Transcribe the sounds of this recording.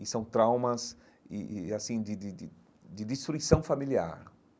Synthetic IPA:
ɪsɐ̃w̃t̪ɾawmɐz | ɪ̰asĩd̪ɪd̪ɪd̪ɪ | d̪ɪd̪ist̪ɾuisɐ̃w̃familia̰ɾ

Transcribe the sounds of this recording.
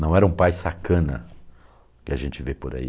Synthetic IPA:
nɐ̃w̃ɛɾɐũpajsakɐ̃nɐ | kɪaʒẽnt͡ʃɪvepoɾa̰ḭ

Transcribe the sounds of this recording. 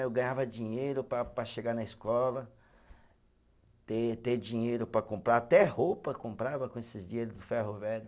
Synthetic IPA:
ewɡɐ̃ɲavɐd͡ʒĩɲejɾʊpɾɐpɾɐʃeɡanɐiskɔlɐ | t̪et̪ed͡ʒĩɲejɾʊpɾɐkõmpɾat̪ɛhowpɐkõmpɾavɐkõesɪzd͡ʒiɲejɾʊzd̪ʊfɛɦovɛɾʊ

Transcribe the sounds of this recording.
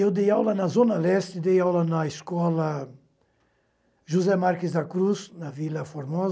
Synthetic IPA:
ewd̪ejawlɐnɐzõnɐlɛst̪ɪd̪ejawlɐnɐeskɔlɐ | ʒuzɛmaɾkɪzd̪ɐkɾuznɐvilɐfoɾmɔz

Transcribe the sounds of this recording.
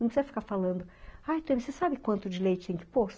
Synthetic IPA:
ɐ̃pɪzɛɾfi̥kaɾfalɐ̃nd̪ʊajt̪ẽmsesabɪkwɐ̃nt̪ʊd͡ʒɪlejt͡ʃʊ̥t̪ẽj̃kɪ̥poɾ

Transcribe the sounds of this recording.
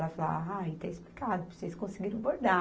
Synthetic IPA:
lɐfla̰ajit̪ɛ̃isplikad̪ʊpseskõsɪɡiɾɐ̃boɾd̪a

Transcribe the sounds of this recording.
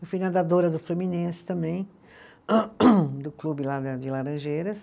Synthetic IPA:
ewfujnɐ̃d̪ad̪oɾɐd̪ʊfluminẽsɪ̥t̪ɐ̃mbẽj̃ | d̪ʊklubɪlad̪ɐd͡ʒɪlaɾɐ̃ʒejɾɐs

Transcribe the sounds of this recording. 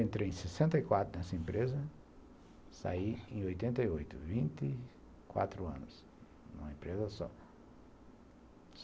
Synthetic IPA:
ẽnt̪ɾejẽj̃sesẽnt̪ɐikwat̪ɾʊnɛsɐẽmpɾezɐ | sa̰iẽj̃ojt̪ẽnt̪ɐiojt̪ʊvĩnt̪ɪ | kwa̰t̪ɾʊɐ̰̃nʊs | nṵ̃mɐẽpɾezɐsɔ̰

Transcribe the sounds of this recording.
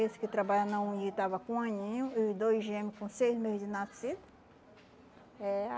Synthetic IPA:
esɪ̥kɪt̪ɾabaʎɐnɐũit̪avɐkõaɲĩɲũid̪ojʒẽmɪkõsejzmehd͡ʒɪnasid̪ɐ | ɛ

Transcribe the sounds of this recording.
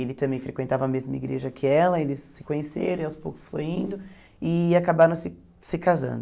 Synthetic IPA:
elɪt̪ɐ̃mbẽj̃fɾekwẽnt̪avɐɐmezmɐiɡɾeʒɐkʰɪɛlɐelɪsːɪ̥kõɲesḛɾɐ̃iawspowkʊ̥sfo̰jĩnd̪ʊ | ɪakabaɾɐ̃w̃sɪ | sɪkazɐ̰̃nd̪ʊ

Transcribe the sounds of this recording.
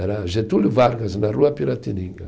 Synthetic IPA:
ɛɾaʒet̪ulɪvaɾɡaznaruɐpiɾat̪inĩŋɡɐ

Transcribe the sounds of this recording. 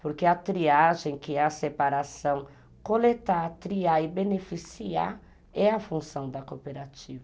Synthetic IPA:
poɾkeɐt̪ɾiaʒẽj̃kɪɛɐsepaɾasɐ̃w̃ | kolet̪aɾt̪ɾiaɪbenefisia | ɛɐfũsɐ̃w̃d̪ɐkopeɾat͡ʃivɐ

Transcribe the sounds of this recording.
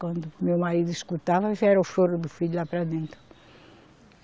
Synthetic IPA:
kwɐ̃nd̪umewmaɾid̪uiskut̪avɐʒɛɾɐuʃoɾud̪ufiʎulapɾɐd̪ẽnt̪ɾʊ

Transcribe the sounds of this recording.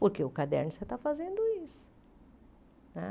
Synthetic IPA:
poɾkeʊkad̪ɛ̰ɾnʊset̪afazẽnd̪ʊisʊ̥ | nɛ̰

